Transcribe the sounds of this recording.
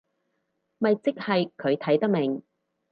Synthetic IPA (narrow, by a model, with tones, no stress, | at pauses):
mɐ˨jt͡sɪ˥k̚hɐ˨jkʰɵ˨˧ɥt̪ʰɐ˨˥jt̪ɐ˥k̚mɪ˨˩ŋ